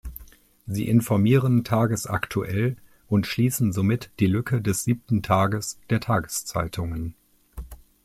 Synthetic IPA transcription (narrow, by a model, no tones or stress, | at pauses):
zḭːʔɪnfɔɐmiːʁəntʰaːɡəsʔa̰ktʰuʔɛl | ʔʊntʃliːsn̩zomɪtd̥iːlʏkʰədɛsz̥iːp̚tn̩tʰaːɡəsd̥eːɐtʰaːɡəst͡sa̰ɪtʰʊŋən